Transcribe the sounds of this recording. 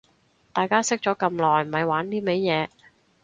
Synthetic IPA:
t̪aː˨˩jkaː˥sɪ˥k̚t͡ʃɔː˨˥kɐ˧mlɔː˨˩jm̩˨˩hɐ˨jwaː˨˥nt̪iː˥me˨˥jjɛː˨˧

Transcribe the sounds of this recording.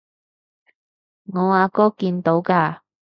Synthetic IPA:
ŋɔː˨˧aː˨˧kɔː˥kiː˧nt̪o˨˥wkaː˧

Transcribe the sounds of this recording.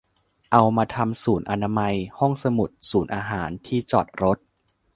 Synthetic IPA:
ʔa˧wmaː˧t̪ʰa˧msuː˩˦nʔa˧na˧ma˧jhɔ˥˩ŋsa˧mu˨˩t̪̚suː˩˦nʔaː˧ɦaː˩˦nt̪ʰiː˥˩t͡ɕɔ̰ː˨˩t̪̚ɾo˦˥t̪̚

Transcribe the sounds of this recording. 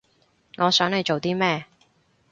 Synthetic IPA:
ŋɔː˨˧sœː˨˥ŋhe˨˧jt͡ʃo˨wt̪iː˥mɛː˥˧

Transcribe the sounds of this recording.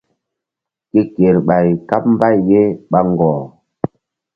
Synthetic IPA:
ke˦ke˨ɾɓa˨jka˦p̚m̩˦ba˦˨jːe˦ɓa˦ŋ˨ɡɔː˨

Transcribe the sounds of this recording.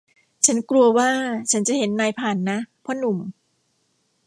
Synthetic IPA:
t͡ɕʰa˦˥nklu˧əwaː˥˩t͡ɕʰa˦˥nt͡ɕa˨˩ɦe˩˦nːaː˧˩jpʰaː˨˩nːa˦˥pʰɔ˦˥nu˨˩m

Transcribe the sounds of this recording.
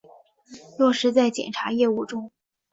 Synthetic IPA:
lwɔ˥˩ʂɻ̩˧˥t͡sa˥˩ɪt͡ɕjɛ̰˨˩nʈ͡ʂʰa˧˥jɛ˥˧u˥˩ʈ͡ʂʊ˥ŋ

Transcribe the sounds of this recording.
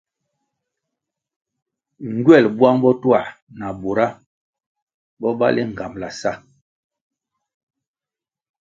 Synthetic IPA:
ŋ˨ɡɥɛ˦˨lbwa˦ŋbɔ˦twa˨na˨bo˨ɾa˦ | bɔ˦ba̰˦li˦ŋ̩˨ɡa˨mla˨sa˦˨

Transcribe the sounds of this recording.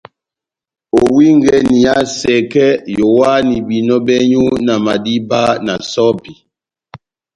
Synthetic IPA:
o˨wi˦ŋ˦ɡɛ˦ni˨a˦sɛ˨kɛ˦jo˨wa˦ni˨bi˨nɔ˦bɛ˦ɲu˦na˨ma˨di˦ba˦na̰˨sɔ˦bi˨

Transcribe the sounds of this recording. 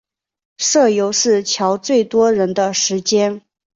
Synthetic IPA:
ʂɤ˥˩jo˧˥ʊʂɻ̩˥˩t͡ɕʰjɑ˧˥ʊt͡swe˥˩ɪt̪wɔ˥ɻə˧˥nd̪ə˧ʂɻ̩˧˥t͡ɕjɛ˥n

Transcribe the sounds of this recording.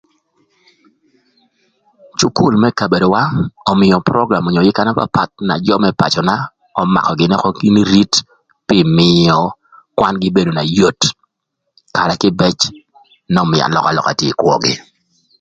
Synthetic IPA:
t͡ʃu˦ku˦˨lmɛ˦ka˨be˨do˨wa˦ɔ˨mɪ˨jɔ˨pɾɔ˦ɡɾa˨mo˨ɲo˨jɪ˦ka˦na˦pa̰˦pa˨t̪̚na̰˨d͡ʒɔ˦mɛ˦pa̰˨t͡ʃɔ˨na˦ | ɔ˦ma̰˨kɔ˨ɡɪ˦nɛ˦kɔ˦ɡi˦ni˦ɾi˦t | pɪ˦mɪ˨jɔ˨ | kwa˦nɡɪ˦be˦do˨na˨jo˦t | ka˨ɾɛ˨kɪ˦bɛ˦t͡ʃ | nɔ˨mɪ˨a̰˨nlɔ˨ka˨lɔ̰˨ka˨tje˨kwɔ˦ɡɪ̰˦

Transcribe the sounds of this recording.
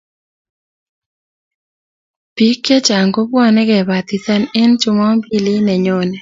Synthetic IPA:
pi˦kːe˦t͡ʃa˨ŋɡo˦bwɔ˦nɛ˦ɡɛ˨ba˨t̪i˨sa˦ne˦nt͡ʃʊ˦mɔ˦mbi˦lɪ˦nɛ˨ɲo˦nɛ˨

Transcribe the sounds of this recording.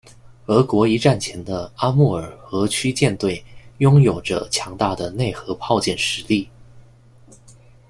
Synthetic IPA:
ə˞˧˥kwɔ˧˥i˧˥ʈ͡ʂa˥˩nt͡ɕʰjɛ˧˥nd̪ə˧a˥mu˥˩ə˞˨˩xɤ˧˥t͡ɕʰy˥t͡ɕjɛ˥˧nt̪we˥˩ɪjʊ˥ŋjo˨˩ʊʈ͡ʂə̰˦t͡ɕʰjɑ˧˥ŋt̪a˥˩d̪ə˩ne˥˩ɪxɤ˧˥pʰɑ˥˧ʊt͡ɕjɛ˥˩nʂɻ̩˧˥li˥˩

